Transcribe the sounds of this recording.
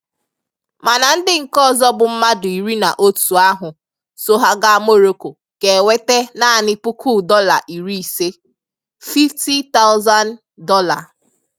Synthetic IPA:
ma˨na˨n̩˦dɪ˦ŋ̩˨kɔ˦˨zɔ˦bʊ˨m̩˦ma˦dʊ˨i˨ɾi˦na̰˨ʔo˦tu˨a˦ɦʊ˨ | so˦ɦa˦ɡa˦a˦mo˦˨ɾo˨˦ko˨ | ke˨wʷe˦te˦na˦a˨nɪ˦pʊ˦kʰu˦dɔ˦la̰˨ʔi˨ɾi˦i˨se˦ | fi˦fti˦ta˦ʊ˦za˦n | dɔ˦la˨

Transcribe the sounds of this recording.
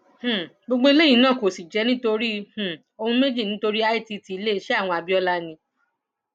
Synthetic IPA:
h̩˨ | ɡ͡bo˧ɡ͡bo˧i˧le˦˨ĩ˧nãː˦˨ko˨si˨d͡ʒɛ˨˦nĩ˦to˧ɾi˦h̩˨ | o˧hũ˧me˦d͡ʒi˦˨nĩ˨˦to˧ɾi˦a˦i˦ti˧ti˧i˧˦le˦i˧˦ʃe˦a˦˨w̃ɔ̃˧a˨bi˦ɔ˧la˧nĩ˧˦

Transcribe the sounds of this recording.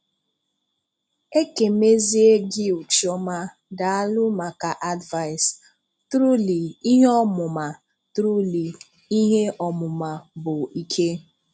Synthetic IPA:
e˦ke˨me˦zi˦e˦ɡi˦u˨t͡ʃɔ˦ma˦ | da˨a˦lʊ˦ma˨ka˨ʔa˦dva˦˨ɪ˨s | tɾu˦li˨i˦ɦe˦ɔ˦mʊ˨ma˨ | tɾu˦li˨ | i˦ɦe˦ɔ˨mʊ˨ma˨bʊ˨i˨kʰe˦

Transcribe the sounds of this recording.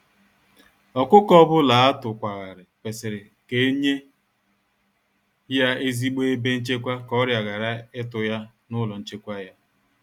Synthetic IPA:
ɔ˨kʷʊ˦kɔ˦bʊ˦la˨a˦tʊ˨kʷa˨ɣa˨ɾɪ˨pe˨sɪ˨ɾɪ˨ | ke˨˦ɲe˦ | ja˦e˦zi˦ɡ͡be˦e˦be˦n̩˦t͡ʃe˦kʷa˦kɔ˦ɾja˨ɣa˨ɾa˦ɪ˦tʊ˨ja˦ | nʊ˦lɔ˨n̩˦t͡ʃe˦kʷa˦ja˦

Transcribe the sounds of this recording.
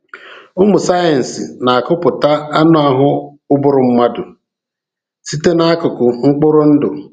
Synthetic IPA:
ʊ˦mʊ˨sa˦e˨n̩˨sɪ˨na˨a˨kʊ˦pʊ˨ta˦a˦nʊ˦a˨ɦʊ˦ | ʊ˦bʊ˦ɾʊ˨m̩˦ma˦dʊ˨ | si˦te˦na˦a˦kʊ˨kʊ˨ŋ͡m̩˦k͡pʊ˦ɾʊ˦n̩˦dʊ˨

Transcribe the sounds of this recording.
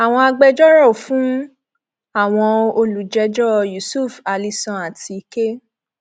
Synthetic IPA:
a˨w̃ɔ̃˧a˧ɡ͡bɛ˧d͡ʒɔ˦ɾɔ˦˨fũ˨˦ | a˦˨w̃ɔ̃˧o˧lu˨d͡ʒɛ˧d͡ʒɔ˦ju˨su˦˨fa˨li˧sɔ̃˧a˨ti˨˧i˧ke˦

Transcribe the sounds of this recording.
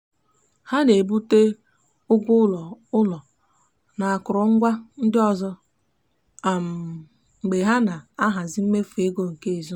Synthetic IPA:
ha˦ne˨bu˦te˦ | ʊ˦ɡʷʊ˦ɔ˨ʊ˦lɔ˨ | na˨a˨kʊ˨ɾɔ˨ŋ̩˦ɡʷa˦n̩˦dɪ˦ɔ˨zɔ˦ | a˨m̩˨ | ŋ͡m̩˨ɡ͡be˨ɦa˦na˨a˦ɦa˨zɪ˦m̩˦me˦fu˨e˦ɡo˦ŋ̩˨ke˦e˨zu˦

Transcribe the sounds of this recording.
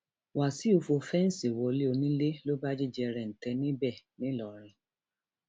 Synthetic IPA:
wa˨si˨˦o˧fo˧fɛ˦n̩˦si˨wɔ˧le˦o˧nĩ˦le˦lo˦ba˦d͡ʒi˦d͡ʒɛ˧ɾɛ̃˨n̩˨tɛ˧nĩ˦bɛ˦˨nĩ˦lɔ˨ɾ̃ĩ˧

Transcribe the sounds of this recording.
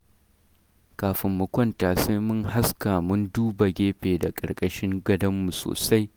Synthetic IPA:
kaː˨ɸɪ˨mːʊ˨kʷɐ˦ntaː˨se˦jmʊ˦ŋɦa˦ska˨mʊ˦nduː˦ba˨ɡʲeː˦ɸeː˨da˨kʼɐ̰˨ɾkʼɐ˦ʃɪ˦ŋɡɐ˦dɐ˦mːu˨so̰ː˨sa˦j

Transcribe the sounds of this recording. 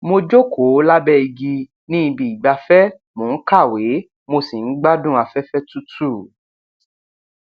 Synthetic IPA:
mo˧d͡ʒo˦kʰo˨˦la˦bɛ˦i˧ɡi˧ | nĩ˦i˧bi˨i˨ɡ͡ba˧fɛ˦ | mo˨n̩˦ka˦˨we˨˦ | mo˧si˨n̩˦ɡ͡ba˦dũ˦a˧fɛ˦fɛ˦tu˦tu˦˨

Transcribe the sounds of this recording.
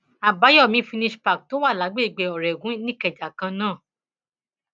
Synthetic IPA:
a˨ba˨˦jɔ˦˨mĩ˧˦fĩ˧nĩ˧ʃpa˨k̚to˨˦wa˦˨la˨˦ɡ͡be˦˨ɡ͡be˨ɔ˨ɾɛ˨ɡũ˦nĩ˦kɛ˨d͡ʒa˨kã˧nãː˦˨

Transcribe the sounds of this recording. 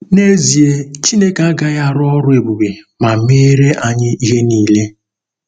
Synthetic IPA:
ne˦zi˨e˦t͡ʃi˦ne˦ka˦ɡa˦ja˦ɾɔ˦ɾʊ˦e˨bu˨be˨ | ma˨me˦ɾe˦ʔa˨ɲɪ˦i˦ɦe˦niː˨le˦

